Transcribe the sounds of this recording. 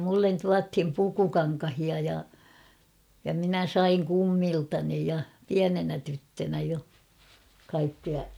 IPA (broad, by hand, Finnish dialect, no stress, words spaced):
mulːen tuɑthim pukukɑŋkɑhiɑ jɑ jɑ minæ sɑiŋ kumːiltɑni jɑ piænenæ tytːønæ jo kɑikːiɑ